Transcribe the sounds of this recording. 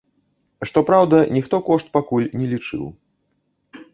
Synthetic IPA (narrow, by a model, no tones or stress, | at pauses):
ʂt̪ɔpɾawd̪ɐnʲixt̪ɔkɔʂt̪̚pakulʲnʲɛlʲit͡ʂɨ̰w